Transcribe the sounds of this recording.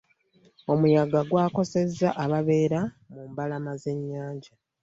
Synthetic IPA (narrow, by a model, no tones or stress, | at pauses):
o̞mujaɡaɡwaːko̞se̞zːaʔaβaβe̞ːɾa | muːmbalamaze̞ɲːaːɲɟa